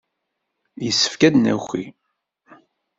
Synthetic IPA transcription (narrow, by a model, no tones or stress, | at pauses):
jəsːə̥fkæd̪næ̰xi